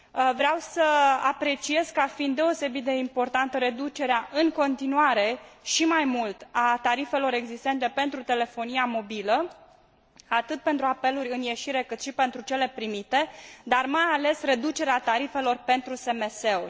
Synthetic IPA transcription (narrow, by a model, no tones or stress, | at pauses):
vɾeawsəapɾe̞t͡ʃie̞zkəafind̪ːe̞o̞se̞bit̪̚d̪e̞impo̞rt̪ant̪əɾe̞d̪ut͡ʃe̞ɾeaʔɨŋko̞nt̪inuaɾe̞ʃimajmult̪at̪aɾife̞lo̞ɾe̞ɡzist̪e̞nt̪e̞pe̞nt̪ɾut̪e̞le̞fo̞nijamo̞bilə | at̪ɨt̪̚pe̞nt̪ɾuape̞luɾʲɨnje̞ʃiɾe̞kɨt̪ʃipe̞nt̪ɾut͡ʃe̞le̞pɾimit̪e̞d̪armajale̞sre̞d̪ut͡ʃe̞ɾeat̪aɾife̞lo̞rpe̞nt̪ɾuse̞me̞se̞o